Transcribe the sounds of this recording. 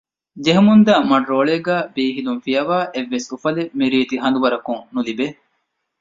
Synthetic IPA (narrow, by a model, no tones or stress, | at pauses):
d͡ʒeɦumund̪ɐːmɐɖɾoːɭeːɡæːbiːɦiluŋfijɐʋaːʔeʋːesufɐlemiɾiːt̪iɦɐnd̪uʋɐɾɐkuŋnulibe